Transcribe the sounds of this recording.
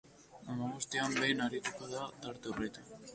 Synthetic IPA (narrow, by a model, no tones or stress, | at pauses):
amaɣust̪iambejnaɾit̪ukoðad̪aɾt̪oret̪a